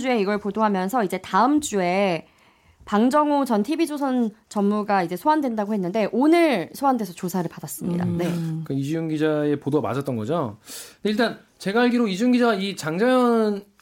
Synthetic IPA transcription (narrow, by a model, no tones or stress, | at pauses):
d͡ʑue̞iɡʌɭpodoɦamjʌnsʰʌid͡ʑe̞taɯmd͡ʑue̞ | paŋd͡ʑʌŋot͡ɕʌntʰibid͡ʑosʰʌnt͡ɕʌmːuɡaid͡ʑe̞sʰoandwe̞ndaɡohe̞nːɯnde̞ʔonɯɭsʰoandwe̞sʰʌt͡ɕosʰaɾɯɭpadas͈ɯmɲḭda̰ne̞kaid͡ʑjuŋɡid͡ʑae̞podoama̰d͡ʑʌt͈̚ʌnɡʌd͡ʑonde̞iɭt̬͈an | t͡ɕe̞ɡaaɭɡiɾoid͡ʑujuŋɡid͡ʑait͡ɕaŋd͡ʑajʌn